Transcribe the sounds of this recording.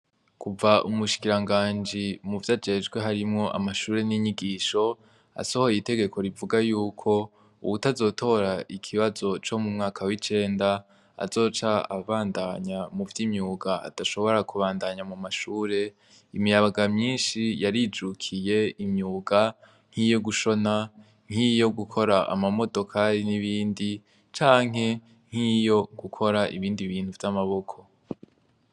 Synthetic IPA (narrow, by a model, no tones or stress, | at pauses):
kuvaʔumuʃi̥kiɾaŋɡaːnd͡ʒimuvjad͡ʒe̞d͡ʒɡwe̞ɦaɾimŋo̞ʔa̰maʃuːɾe̞niɲiɡiːʃo̞ | a̰so̞ho̞jite̞ɡe̞ko̞ɾivuɡajuːkʰo̞ | ṵβutazo̞tʰo̞ɾaʔikʰiβazo̞t͡ʃo̞mumŋaːkʰawit͡ʃe̞ːnda | a̰zo̞ːt͡ʃaaβaːndaɲamuvjimɲuːɡaa̰taʃo̞βo̞ɾakuβaːndaɲamumaʃuːɾe̞ | imijaβaɡamɲiːnʃijaɾid͡ʒukʰije̞imɲuːɡa | ŋ̥hijo̞ɡuʃo̞na | ŋ̥ijo̞ɡukʰo̞ɾaʔa̰mamo̞do̞kʰaɾiniβiːndi | t͡ʃaːŋɦe̞ | ŋ̥ijo̞ɡ̥ukʰo̞ɾaʔḭβiːndiβiːnhuvjamaβo̞kʰo̞